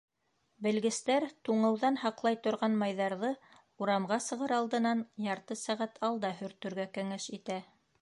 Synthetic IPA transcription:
bɘ̆lɡɘ̆st̪æɾt̪uɴɤ̆wðɑnhɑqlˠɑjt̪ŏɾʁɑnmɑjðɑɾðɤ | uɾɑmʁɑsɤ̆ʁɤɾɑlˠd̪ɤ̆nɑnjɑɾt̪ɤsæʁæt̪ʰɑlˠd̪ɑɦɵ̆ɾt̪ːɵ̆ɾɡækæŋæʃit̪æ

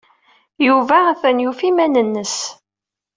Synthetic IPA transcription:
juvææθænjufimænənːəs

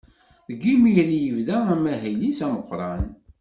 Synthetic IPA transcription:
ðɡimiɾjəvðææmːæɦæjlisæməqʷːɾˤɑn

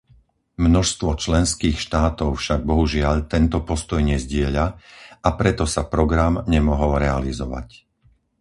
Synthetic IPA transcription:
mnɔʃst̪ʋɔt͡ʃlɛnskiːxʃt̪aːt̪ɔʊfʃaɡ̚bɔɦuʒɪaʎt̪ɛnt̪ɔpɔst̪ɔjɲɛzɟɪɛʎaapɾɛt̪ɔsapɾɔɡɾamɲɛmɔɦɔlɾɛalizɔʋa̰c

